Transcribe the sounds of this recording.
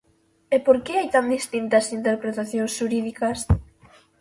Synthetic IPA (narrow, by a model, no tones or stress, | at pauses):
epoɾkɪajt̪and̪ist̪int̪ɐsint̪eɾpɾet̪aθjõŋsʃuɾiðikɐs